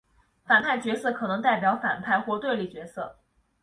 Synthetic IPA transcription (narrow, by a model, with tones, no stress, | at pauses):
fa˨˩npʰa˥˩ɪt͡ɕɥɛ˧˥sɤ˥˩kʰɤ˨˩nɤ˧˥ŋt̪a˥˩ɪp̬jɑ˧˥ʊfa̰˨˩npʰa˥˧ɪxwɔ˥˧t̪we˥˧ɪli˥˩t͡ɕɥɛ˧˥sɤ˥˩